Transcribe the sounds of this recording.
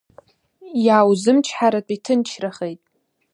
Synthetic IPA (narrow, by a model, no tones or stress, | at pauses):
jaːwzɨmt͡ʃʰħaɾat͡pʷʼitʰɨnt͡ʃʰraχejtʼ